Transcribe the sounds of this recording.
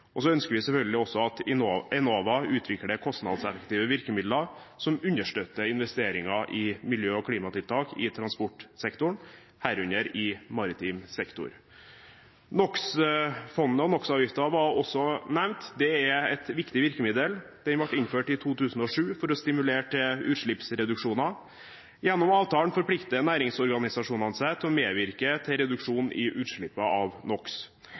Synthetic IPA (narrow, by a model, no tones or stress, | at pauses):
ʔɔsɔœnskəɾʋɪsɛlfœlɡəlɪɔsːɔɑt̪ːɛnoːʋɑʉːt̪ʰʋɪkɽəkʰɔst̪nɑ̰d̪sɛfəkt̪iːʋəʋɪɾkəmɪd̪lɑ | sɔmʉnːəʂʈøːt̪ːəɪnʋɛst̪eːɾɪŋɑʔɪmɪljøːɔkʰɽiːmɑt̪ʰɪlt̪ʰɑːkɪt̪ʰɾɑnspɔʈsɛkt̪ʊɳ | hæːɾʉnəɾɪmɑɾɪt̪ʰiːmsɛkt̪ʊ̰ɾ | nɔksfɔnnəɔnɔksɑːʋjɪft̪əɑʋɑɾɔsːɔnæʋnt̪d̪ɛɛɛt̪ʋɪkt̪ɪʋɪɾkəmɪd̪əld̪̥ɛnʋɑʈːɪnføːʈɪt̪ʰuːt̪ʰʉːsn̩ɔʂʉːfɔɾɔst̪ɪmʉleːʈʰəʉːɾʂɭɪpsɾɛd̪ʉkʂuːnɑ | jɛnːɔmɑːʋt̪ɑːlənfɔɾpʰlɪkt̪ənæːɾɪŋsɔɾɡɑnɪsɑʂuːnɑnsɛt̪ʰɔmeːʋɪɾkət̪ʰɪɾɛd̪ʉkʂuːnʔɪ̰ʔʉːɾʂɭɪpːəɑʋnɔks